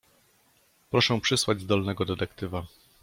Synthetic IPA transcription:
pɾɔʂɛ̃pʂɘswad͡ʑzd̪ɔlnɛɡɔd̪ɛt̪ɛkt̪ɘva

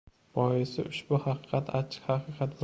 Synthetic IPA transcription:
bɒɪsɪʔʊʃbʊhɑqʰɨ̥qʰɑt̪ʰat͡ʃʰɪ̥qhɑqʰɨqʰɑt̪

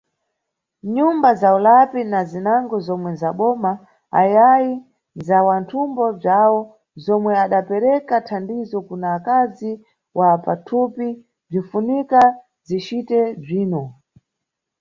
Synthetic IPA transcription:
ɲumbazaulapinazinaŋɡɔzɔmwɛzaɓɔma | a̰jaji | nzawantʰumbɔb͡ʐawɔ | zɔmwɛaɗapɛɾɛkatʰandizɔkunaːkazi | wʔapatʰupi | b͡ʐifunika | zit͡ʃitɛb͡ʐiːnɔ

